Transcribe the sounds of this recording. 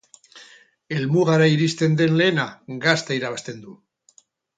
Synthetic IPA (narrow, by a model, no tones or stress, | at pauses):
e̞lmuɣaɾaiɾist̪e̞nd̪e̞nle̞ːnaɡast̪aiɾaβast̪e̞nd̪u